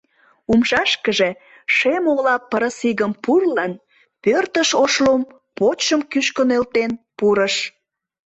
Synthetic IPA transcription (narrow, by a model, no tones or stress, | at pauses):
umʃɑʃkəʒe̽ | ʃemoɣlɑpːəɾəsiɣəmpurlən | pørt̪əʃoʃlom | pot͡ɕəmkyʃkənelt̪enpuɾəʃ